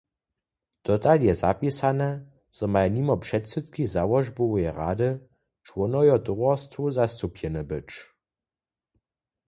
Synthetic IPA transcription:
d̪̥ɔt̪aljɛza̰pisanɛ | z̥ɔmajnimɔpʂɛtsɛt̪kizawɔʒbɔwjɛʁa̰d̪ə | t͡ʃwɔnɔjɔt̪ɔwɔst̪vuzast̪upjɛnɛbɘt͡ʃ

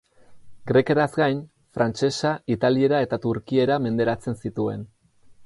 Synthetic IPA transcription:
ɡɾe̞ke̞ɾazɡajn | fɾant͡ʃe̞sait̪alie̞ɾae̞t̪at̪uɾkie̞ɾame̞nd̪e̞ɾat͡se̞nsit̪ue̞̰n

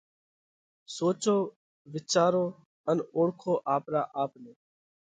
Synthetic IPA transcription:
soːt͡ʃoː | ʋɪt͡ʃaːɾoː | ənoːɽkʰoːʔaːpɾa̰ːʔaːpneː

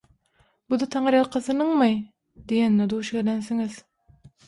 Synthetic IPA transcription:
bud̪ɯt̪ʰɑɴɯɾjɑlˠqʰɑθɯnɯɴmɯj | d̪ijenːed̪uwʃɡelenθiŋiz̥

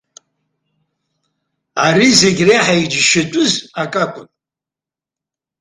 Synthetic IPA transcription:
aɾizeɡʲraħaid͡ʒʃɪtʼʊzakʼakʷʼʊnʼ

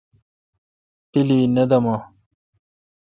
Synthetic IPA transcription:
t̪iliːnɐd̪ɐmaː

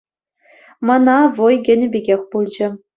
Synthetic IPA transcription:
mɤ̆nɑvɤjɡʲɘ̆nʲɘ̆bʲeɡʲexʲpulˠd͡ʑɘ̆

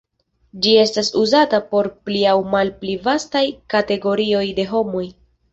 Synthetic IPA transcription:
d͡ʒie̞stasuzatapo̞ɾpliawmalplivastajkate̞ɡo̞ɾio̞jde̞ɦo̞moj

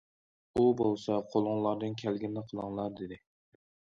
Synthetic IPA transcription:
ubolˠsɑqʰolˠʊŋlˠɑɾd̪ɨnkʲʰælɡʲinːɪqʰəlˠɨŋlˠɑɾd̪ed̪ɪ

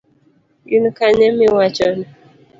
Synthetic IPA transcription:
jinukaɲemiwat͡ʃɔni

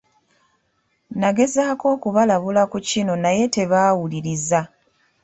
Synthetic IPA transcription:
naɡe̞zaːko̞ːkuβalaβulakucino̞naje̞te̞βaːwuliɾiza

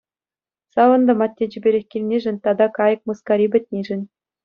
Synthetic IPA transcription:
sɑʋɤ̆nd̪ɤ̆mɑt̪ʲːed͡ʑy̆bʲeɾʲĕxʲkʲilʲnʲeʐɘ̆nʲt̪ɑd̪ɑkɑjɤ̆k̚mɤskɑɾʲibʲɘ̆tʲnʲeʐɘ̆nʲ

